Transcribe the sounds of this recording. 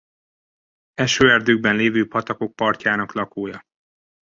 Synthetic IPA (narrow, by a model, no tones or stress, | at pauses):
ɛʃøːɛrd̪øːɡ̚bɛnleːvøːpɒt̪ɒko̞k̚pɒrcaːnɒklɒkoːjɒ